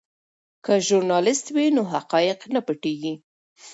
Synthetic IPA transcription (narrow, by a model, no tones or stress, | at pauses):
kəʒʊɾnɑlɪst̪winoɦaqɑjɪqnapəʈeɡi